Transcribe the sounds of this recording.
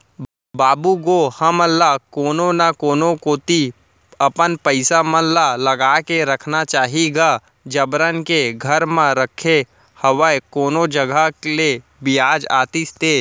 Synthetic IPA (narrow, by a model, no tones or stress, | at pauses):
baːbuɡohɐməlːakoːnonakoːnõkoːt̪i | ɐpənpəɪsamə̃lalɐɡaːkeɾɐkʰnat͡ʃaːɦiɡa | d͡ʒɐbɾənkeɡʱɐɾmãɾəkʰe | həʋəjkoːnod͡ʒɐɡʱakle | bɪjaːd͡ʒa̰ːt̪ist̪eː